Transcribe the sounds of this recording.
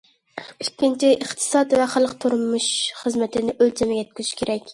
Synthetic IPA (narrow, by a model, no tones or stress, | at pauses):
ykʲːint͡ʃʰiʔəχt̪ʰɨ̥sɑt̪vɛχəlˠəqt̪ʰuɾmuʃχəzmɛt̪ʰɪnɪʔølt͡ʃ̪ʰɛmɛɡʲɛt̪̚kʲyzyʃkʲʰeɾɛkʲ